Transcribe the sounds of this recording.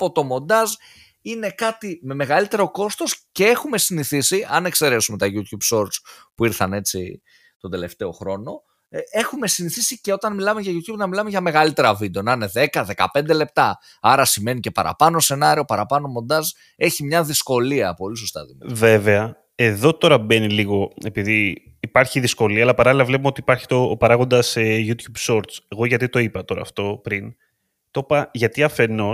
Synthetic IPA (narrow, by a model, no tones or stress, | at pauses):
po̞t̪o̞mo̞nd̪ɐz | ine̞kɐt̪ime̞me̞ɣɐlit̪e̞ɾo̞ko̞st̪o̞sce̞e̞xume̞siniθisiɐne̞kse̞ɾe̞sume̞t̪ɐʝut̪çubso̞ɾt͡spuiɾθɐne̞t͡sḭ | t̪od̪e̞le̞ft̪e̞o̞xɾo̞no̞ | e̞xume̞siniθisice̞o̞t̪ɐnmilɐme̞ʝɐʝut̪çubnɐmilɐme̞ʝɐme̞ɣɐlit̪e̞ɾɐvid̪eo̞nɐne̞ðe̞kɐðe̞kɐ̰pe̞nd̪e̞le̞p̚t̪ɐ | ɐɾɐsime̞nicepɐ̰ɾɐ̰pɐnose̞nɐɾiopɐɾɐpɐnomo̞nd̪ɐz | e̞çimɲɐðisko̞liɐpo̞liso̞st̪ɐ̰ðḭve̞veɐ | e̞ðo̞t̪o̞ɾɐbe̞niliɣo̞e̞piðiː | pɐɾçiðisko̞liɐːlɐpɐɾɐlilɐvlepumeo̞t̪iːpɐɾçi̥t̪opɐɾɐɣo̞nd̪ɐsejut̪çubso̞ɾt̪t͡se̞ɣo̞ʝɐt̪it̪o̞ipɐt̪o̞ɾɐ̰ːft̪o̞pɾin | t̪o̞pɐʝɐt̪iɐfe̞no̞